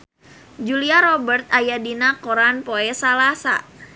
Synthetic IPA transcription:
d͡ʒuliaɾɔbərt̪̚ajadinakoɾanpoɛsalasa̰

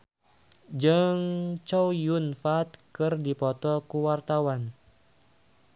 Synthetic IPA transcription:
d͡ʒɨŋt͡ʃɔwjunfat̪̚kɨrdipɔt̪ɔkuwart̪awan

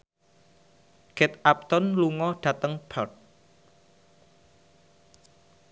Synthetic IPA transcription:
ɡ̥ɛt̪ʔap̚t̪ɔnluŋɔɖ̥ä̤t̪əŋb̥ʰɔt̚

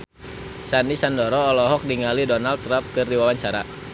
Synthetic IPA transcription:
sanisandɔɾɔːlɔɦɔk̚diŋalidɔnalt̪ːɾamp̚kɨrdiwawaɲt͡ʃaɾa̰

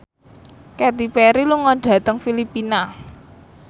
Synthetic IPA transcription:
kɛt̪ipɛɾiluŋɔɖ̥ä̤t̪əŋfilipina

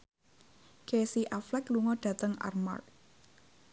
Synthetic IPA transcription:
kesiʔaflɛkluŋɔɖ̥ä̤t̪əŋa̰rma̰r̚

